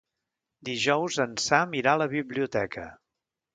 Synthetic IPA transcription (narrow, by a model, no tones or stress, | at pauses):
d̪iʒɔwzənsamiɾaləβiβliut̪ɛkə̰